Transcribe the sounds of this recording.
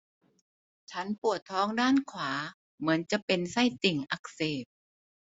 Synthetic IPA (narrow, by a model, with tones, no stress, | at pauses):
t͡ɕʰa˦˥npu˨˩ət̪ʰːɔː˦˥ŋdaː˥˩nkʰwaː˩˦ | mɯ˩˦ənt͡ɕa˨˩ʔpe˧nsa˧˥˩jt̪i˨˩ŋʔa˨˩k̚seː˨˩p̚